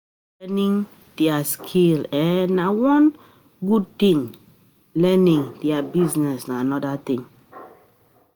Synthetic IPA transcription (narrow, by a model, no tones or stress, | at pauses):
ɛnĩŋ | d̥ɛaskʰilɛ̃ːawɔ̃n | ɡud̚t̪ĩŋ | lɛnĩŋdiabiznɛsnaanɔdat̪ĩŋ